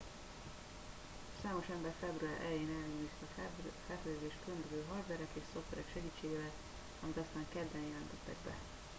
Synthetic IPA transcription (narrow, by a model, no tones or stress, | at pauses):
saːmo̞ʃɛmbɛrfɛbruaːɾʔɛ̰ljeːnɛlːɛiːst̪ɒfɛlfɛløːzeːʃkønd̪øzøːɦɒrd̪vɛɾɛkeːʃso̞ft̪ʋɛɾɛkʃɛɡiːt͡ʃːeːɡeːvɛl | ɒmit̪ɒst̪aːŋkɛd̪ːɛnjɛlɛnt̪ɛt̪ːɛ̰ɡbɛ̰